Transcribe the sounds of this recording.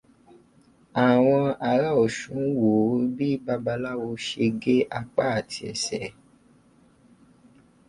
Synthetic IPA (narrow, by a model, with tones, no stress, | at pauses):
a˨w̃ɔ̃˧a˨ɾa˦ɔ˨ʃũ˨˦wo˨˦bi˦ba˦ba˧la˦wo˧ʃe˧ɡe˦ʔa˦˨k͡pa˦a˦˨tʰi˧ɛ̰˨sɛ˨